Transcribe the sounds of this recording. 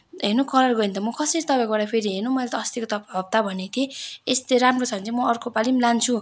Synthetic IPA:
ɦenokʌlʌrɡʌint̪ʌmʌkʌseɾit̪ʌpãkobaɽapʰeɾiɦenomʌjlat̪ʌːst̪ikot̪ʌpbʱʌb̚t̪abʱʌnet̪ʰieest̪eɾamrot͡sʰʌnt͡sʰimʌrkopalimlant͡sʰu

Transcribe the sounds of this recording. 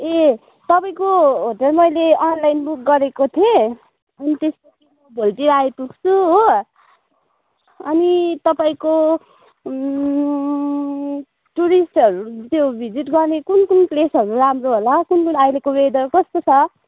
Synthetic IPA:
e | t̪ʌpaĩkoɦoʈʌlmʌjleʌnlajnbuk̚ɡʌɾekot̪ʰiẽ | ʌnit̪espʌt͡simʌbʱolʈiɾajpuɡt͡sʰuɦo | ʌnit̪ʌpaĩko | ʈuɾisʈʌɾut̪jobʱid͡ziʈɡʌrnekunkunplesʌɾuɾamroɦolakunkunajlekowed̪ʌɾkʌst̪ot͡sʰʌ

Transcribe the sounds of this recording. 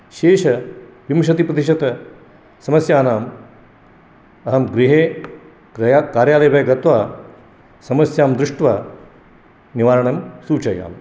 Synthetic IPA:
ʃeːʃɐʋimʃ̬ɐt̪ipɾɐt̪iʃɐt̪ɐ | sɐmɐsjaːnaːm | ɐɦɐmɡɾiɦeː | akaːɾjaːlɐjbʱɐjɐɡɐt̪ʋaː | sɐmɐsjaːmd̪ɾɪʂʈʋaː | niʋaːɾɐɳɐmsuːt͡ʃɐja̰ːm

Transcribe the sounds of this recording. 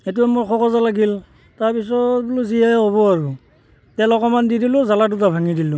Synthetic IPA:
etuamojxʰɔkɔzalaɡil | taɹpisɔbuluzijajɦoβɔaɹu | tɛlɔkɔmandidilʊzaladutabʱaŋidilʊ

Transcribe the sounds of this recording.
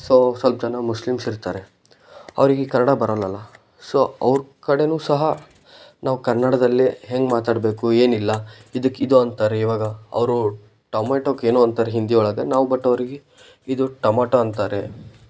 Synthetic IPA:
soːsɐlp̚d͡ʒɐnɐmuslimsiɾt̪aːɾe̞ | ɐ̰ʋɾiɡekɐɾnɐɽabɐɾɐlɐlːɐ | soːɐʋɾkɐɽe̞nuːsɐɦɐ | naːʋukɐɾnːɐɽɐd̪ɐlːiɦeŋɡmaːt̪aːɽbe̞ːkue̞ːnilːɐid̪ɐkːid̪uɐnt̪aːɾe̞iʋaːɡɐɐ̰ʋɾu | ʈɐmeʈoːkeːnuɐnt̪aːɾeɦind̪iɔɭɐɡenaːʋubɐʈːɐʋɾiɡe | id̪uʈɐmaːʈoɐnt̪aːɾe

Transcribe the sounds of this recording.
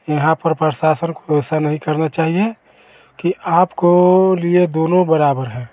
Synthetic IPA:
jəɦãpəɾpɾəʃaːsənkoɛːsanəɦĩkəɾnat͡ʃaːɦie | kiʔaːpkolied̪oːnõbəɾaːbəɾɦɛ̃ː

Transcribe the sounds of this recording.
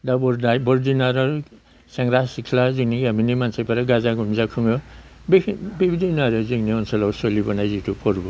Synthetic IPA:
dabɔɾdabɔɾdinaɾɔ | saŋɾasikʰlaziŋniɡiaminimansajpʰaɾaɡazaɡumzakʰɯŋɔbbibidinaɾɯziŋniɔnsalawsɔlibɔnajzitʰupʰɔɾbɔ

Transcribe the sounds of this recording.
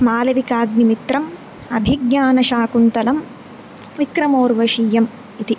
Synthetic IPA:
maːlɐʋikaːɡ̚nimit̪ɾɐm | ɐbʱiɡɲaːnɐʃaːkunt̪ɐlɐm | ʋikɾɐmoːɾʋɐʂiːjɐm | it̪i

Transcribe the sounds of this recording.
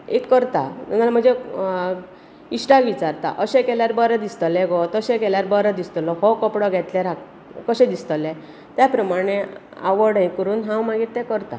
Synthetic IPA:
ekːəɾt̪at̪unalam̤əɳd͡ze | isʈakʋit͡ɕaɾt̪a̰ʔəɕɛ̃kɛljaɾbəɾəd̪ist̪lɛɡɔt̪əɕɛkɛljaɾbəɾəd̪ist̪lɔɦɔkɔpɽɔɡʱɛt̪lɛɾak | kəɕɛ̃d̪ist̪əlẽ | t̪japɾəmaɽ̃ea̰ʋəɽə̃j̃kəɾuːnɦãwmaɡit̪t̪ːɛkəɾt̪a̰

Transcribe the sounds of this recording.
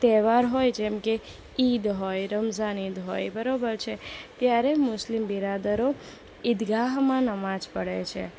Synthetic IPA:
t̪ɛʋaɾɦojd͡ʒɛmke | id̪ɦojɾəmzanid̪ɦo̰jbəɾobəɾt͡ʃʰet̪jaɾemʊslimbiɾad̪əɾo | ɪd̪ɡaɦmãnəmãd͡ʒpəɽḛt͡ʃʰḛ

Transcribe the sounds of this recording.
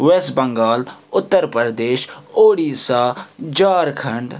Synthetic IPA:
ʋeːsʈbɐ̃ŋɡaːlʊt̪ːəɾpəɾd̪eːʃoːɽiːsaːd͡ʒaːɾkʰɐɳɖ

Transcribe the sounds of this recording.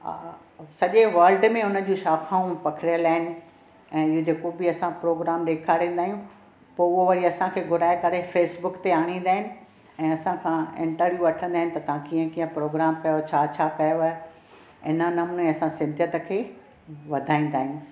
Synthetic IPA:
sɐʄeʋɐːɾlɖmẽʊnə̆d͡ʑũːʃaːkʰaːũpɐkʰɽjəlaːɦɪnɪ̆ | ɛ̃ːɪɦod͡ʑeːkobɪɐsãpɾoːɡɾaːmɗeːkʰaːɾẽːn̆d̪aːɦijũ | poːʊɦoʋɐɾiɐsãkʰeːɡʱʊɾaːekɐɾefeːsbʊkt̪eaːɽ̃ĩːn̆d̪aːɦɪnɪ̆ | ɛ̃ːɐsãkʰãːɪ̰̃ɳʈəɾʋjuɐʈʰə̃nd̪aːɦɪnɪ̆t̪ɐt̪ɐʋãkiːə̃kĩːə̃pɾoːɡɾaːmkɐjot͡ɕʰaːt͡ɕʰaːkɐjo | ɪ̰nənɐmʊnmẽɐsãsɪ̃nd̪ʱjət̪ə̆kʰeː | ʋɐd̪ʱaːĩːn̆d̪aːɦijũː

